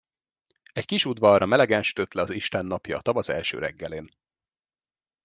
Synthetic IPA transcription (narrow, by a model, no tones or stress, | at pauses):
ɛckiʃud̪ʋɒrːɒmɛlɛɡɛnʃy̥t̪øt̪lɛɒziʃt̪ɛnːɒpjɒːt̪ɒvɒzɛ̰lʃø̰ːɾɛ̰ɡːɛleːn